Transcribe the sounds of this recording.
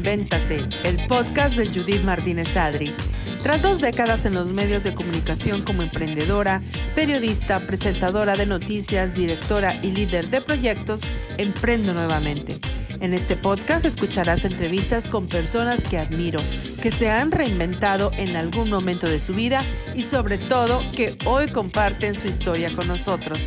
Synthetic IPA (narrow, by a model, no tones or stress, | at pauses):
mbe̞nt̪at̪e̞ː | lpo̞ðkas̬d̪e̞ʝuðit̪maɾt̪ine̞saðɾi | t̪ɾazd̪o̞zd̪e̞kaðase̞nlo̞zme̞ðjo̞zðe̞ko̞mũnikasjo̞ŋko̞moe̞mpɾe̞nd̪e̞ðo̞ɾa | pe̞ɾjo̞ðist̪apɾe̞se̞nt̪aðo̞ɾaðe̞no̞t̪isjazd̪iɾe̞kt̪o̞ɾaʔiliðe̞ɾðe̞pɾo̞ʝe̞k̚t̪o̞sempɾe̞nd̪o̞nwe̞βamẽ̞nt̪e̞ | ene̞st̪e̞po̞ðkast̪e̞skut͡ʃaɾase̞nt̪ɾe̞β̞ist̪asko̞mpe̞ɾso̞naske̞aðmiɾo̞ | ke̞se̞anre̞imbe̞nt̪aðo̞ʔe̞nalɣunmõ̞mẽnt̪o̞ðe̞suβiða | iso̞βɾe̞t̪o̞ðo̞ke̞o̞jko̞mpaɾt̪e̞nsuist̪o̞ɾjako̞nːo̞so̞t̪ɾo̞s